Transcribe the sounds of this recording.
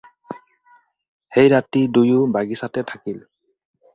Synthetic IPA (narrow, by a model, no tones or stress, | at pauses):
hejɹatidujubaɡisatɛtʰakil